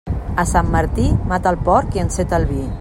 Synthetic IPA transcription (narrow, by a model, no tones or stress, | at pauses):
əsamːəɾt̪imat̪alpɔɾkiənset̪əlβi